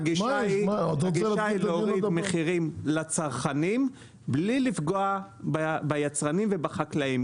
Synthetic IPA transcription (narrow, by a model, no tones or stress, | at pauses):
aɡiʃaiod̪ɡiaileoʁid̪meχiʁimlat͡saʁχanim | blilifɡoa | bbajat͡sʁanimve̞baχaklaim